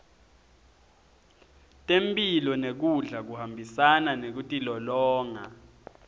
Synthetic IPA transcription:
tʼempʼilɔnek̬uɮak̬uhambʱisananek̬utʼilɔlɔːŋa̰

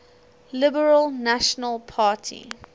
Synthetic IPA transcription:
lɪbəɹəlnaʃənəlˠpʰaːtʰḭ

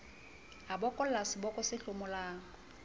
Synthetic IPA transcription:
abɔkʼɔllasɪbɔkʼʊsɪɬʊmʊlaːŋ̩

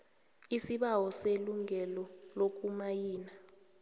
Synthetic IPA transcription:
isiɓawɔseluŋʱɛlɔlok̬ʼumajiːna

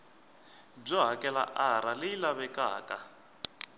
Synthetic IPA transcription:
b͡ʐɔɦakɛla̰ʔaɾalejilaβɛka̰ːkʼa

